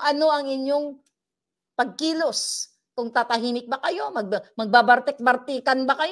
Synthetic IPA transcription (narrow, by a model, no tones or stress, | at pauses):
ʔɐno̞ʔɐŋɪɲjo̞ŋ | pɐɡ̚kiːlos | kʊŋt̪aːt̪ɐɦiːmɪk̚bɐkɐjo̞mɐɡ̚bmɐɡ̚babɐɾt̪ɛk̚bɐɾt̪iːkɐnbakɐj